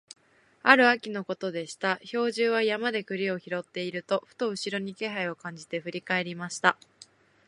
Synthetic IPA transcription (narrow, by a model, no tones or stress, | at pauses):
aɾɯ̟akʲino̞ko̞t̪o̞d̪e̞ɕi̥t̪aço̞ːʑɨːβ̞ajamad̪e̞kɯ̟ɾʲio̞çiɾo̞t̪ːe̞iɾɯ̟t̪o̞ɸɯ̟̥t̪o̞ɯ̟ɕiɾo̞ɲ̟ike̞ɦaio̞kãɲ̟d͡ʑit̪e̞ɸɯ̟ɾʲikae̞ɾʲimaɕi̥t̪a